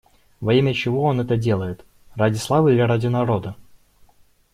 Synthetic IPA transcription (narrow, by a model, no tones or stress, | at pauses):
vɐimʲət͡ɕɪvo̞o̞nɛt̪ədʲe̞lˠəjɪt̪ | radʲɪslˠavɨilʲɪɾadʲɪnɐɾo̞d̪ə